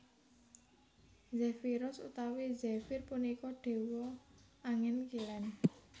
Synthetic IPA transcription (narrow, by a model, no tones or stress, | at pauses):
zɛfiɾʊsṵt̪awid͡ʒɛfirpunikɔɖ̥e̤wɔ | aŋɛnkilɛn